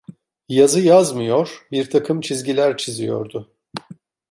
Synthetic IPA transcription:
jazɯjazmɯjo̞ɾ̥biɾt̪ʰakʰɯmt͡ʃʰizɟilʲæɾt͡ʃʰizijo̞̰ɾd̪ʊ

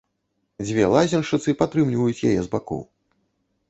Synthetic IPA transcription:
d͡zʲvʲɛlˠazʲɛnʂɨt̪sɨpat̪ɾɨmlʲivɐjut͡sʲjajɛzbakɔ̰w

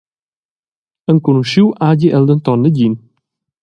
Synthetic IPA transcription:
ənkunuʃiwʔaɟiʔɛld̪ənt̪ɔnːəɟin

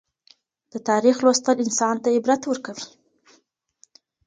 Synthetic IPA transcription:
d̪̥ət̪ɑɾixlwost̪əlɪnsɑnt̪ajebɾat̪wəɾkawi

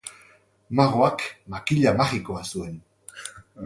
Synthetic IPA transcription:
maʁoakmakɪʎamaχɪkoasuen

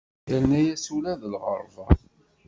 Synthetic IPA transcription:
ænæjæsulæðəlʁə̰ɾˤvɑ

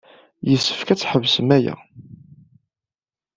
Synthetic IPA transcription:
jəsːə̥fkæt͡sːħəvsəmæjæ̰

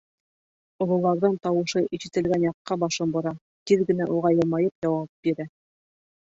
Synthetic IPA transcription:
ŏlˠɤ̆lˠɑɾðɤnt̪ɑwɤ̆ʃɤʔiʃɘ̆t̪ɘ̆lɡænjɑqːɑbɑʃɤmbŏɾɑ | t̪iðɡɘ̆næʔuʁɑjɤ̆lˠmɑjɤpjɑwɑp̚biɾæ

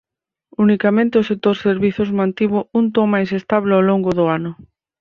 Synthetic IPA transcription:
unikamẽnt̪ɪʊsek̚t̪oɾseɾβiθʊzmãnt̪iβʊunt̪omajsest̪aβlealoŋɡʊðʊanʊ

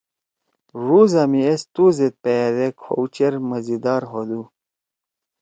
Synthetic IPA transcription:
ʐuzɐmiest̪uzet̪̚pejɐd̪ekʰo̰ut͡ɕeɾmɐzid̪aːɾɦod̪u

